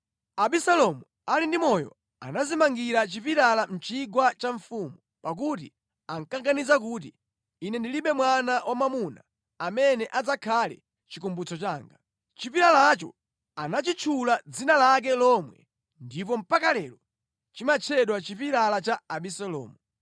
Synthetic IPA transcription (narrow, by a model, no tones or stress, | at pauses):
aɓisalɔmu | alindimɔjɔ̰ | a̰nazimaŋɡiɾat͡ʃipiɾalam̩t͡ʃiɡwat͡ʃaɱfumu | pak̬utḭ | aŋ̩kaŋɡanizak̬ut̬iː | nɛndiliɓɛmwanawʔamamuna̰ː | mɛnɛʔad͡zakʰalɛ̰ | t͡ʃikumbut͡sɔt͡ʃaːŋɡa | t͡ʃipiɾalat͡ʃɔ̰ | anat͡ʃit͡ʃʰulad͡zinalak̬ɛlɔmwɛ̰ | ndip̬ɔm̩pakalɛlɔ | t͡ʃimat͡ʃʰɛɗwat͡ʃipiɾalat͡ʃaaɓisɛlɔ̰ːmu